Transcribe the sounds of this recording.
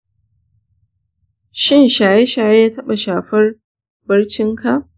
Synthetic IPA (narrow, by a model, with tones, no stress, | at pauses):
ʃɪ˦nʃaː˨je˦ʃaː˨je˦jaː˦tɐ˦ɓa˨ʃaː˨ɸɐ˦r | bɐ˦ɽt͡ʃɪ˦ŋkʰa˨ʔ